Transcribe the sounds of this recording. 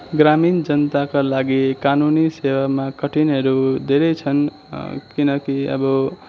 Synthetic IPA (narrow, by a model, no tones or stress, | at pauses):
ɡɾamind͡ʒʌnt̪akolaɡikanunisewamakʌʈineɾud̪eɾet͡sʰʌn | kinʌkiʌ̰bʌ